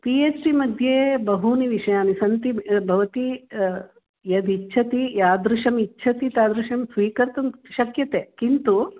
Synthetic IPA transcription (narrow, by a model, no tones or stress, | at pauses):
pieːt͡ʃʈimɐd̪ʱjeːbɐɦuniʋiʂɐjaːnisɐnt̪ibʱɐʋɐt̪i | jɐd̪it͡ʃːʃʰɐt̪ijaːd̪ɾuʂɐmit͡ʃːʃʰɐt̪it̪aːd̪ɾuʃɐmsʋiːkɐɾt̪ɐmʃɐkjɐt̪eːkint̪u